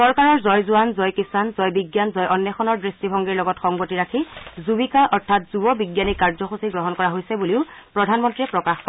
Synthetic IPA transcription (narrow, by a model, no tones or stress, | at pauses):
sɔɹkaɹɔɹzɔjzʊanzɔjkisanzɔjbiɡjanzɔjʔɔnːɛxɔnɔɹdɹistibʱɔŋɡiɹlɔɡɔtxɔŋɡotiɹakʰizubikaʔɔɹtʰat̚zubɔbiɡjanikːaɹzɔxusiɡɹɔɦɔnkɔɹaɦojsɛbuliʊpɹɔdʱanmɔntɹiɛpɹɔkaxkɔ